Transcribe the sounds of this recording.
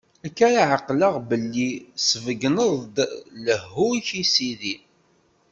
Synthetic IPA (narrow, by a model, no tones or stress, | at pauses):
ækːaɾaʕaqːləʁbəlːisəvəɡnəðˤd̪ləhːuçisiði